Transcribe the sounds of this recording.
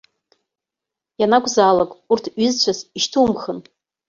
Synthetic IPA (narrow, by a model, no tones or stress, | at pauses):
janakʷʼzaːlakʼurtʰɥɪzt͡ɕʷʰaziʃtʰumχən